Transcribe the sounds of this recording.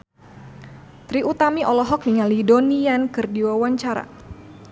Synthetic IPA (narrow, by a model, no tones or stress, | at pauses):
t̪ɾiʔut̪amiʔɔlɔɦɔk̚niŋalidoniankɨrdiwawaɲt͡ʃaɾa̰